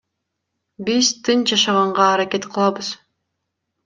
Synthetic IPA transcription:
bizt̪ʰɯnd͡ʒɑʃɑʁɑɴʁɑːɾake̞t̪qʰɯlˠɑbɯz̥

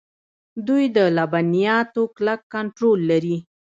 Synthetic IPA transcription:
d̪ujd̪əlabanijɑt̪oklakːaɳʈɾolːaɾi

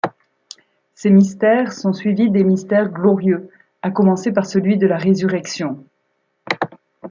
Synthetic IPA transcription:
semist̪ɛʁsɔ̃sɥivid̪emist̪ɛʁɡlɔʁjø | akɔmɑ̃sepaʁsəlɥid̪əlaʁezyʁɛksjɔ̃

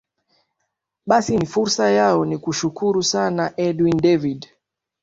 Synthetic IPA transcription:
ɓasinifuɾsajaɔnikuʃukuɾusanaʔɛdwindɛvid

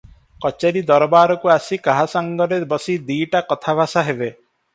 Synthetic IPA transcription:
kɔt͡ʃeɾid̪ɔɾɔbaɾɔkuasikaɦasaŋɡɔɾebɔsid̪iːʈakɔt̪ʰabʱasaɦebe

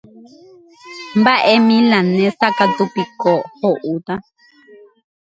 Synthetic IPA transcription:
mbaʔɛmilanɛsakat̪upikɔhɔʔut̪a

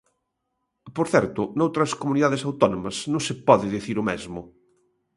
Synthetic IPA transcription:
poɾθɛɾt̪ʊnowt̪ɾɐskomuniðaðɪsawt̪ɔnomɐsnõŋsepɔðɪðiθiɾʊmɛzmʊ

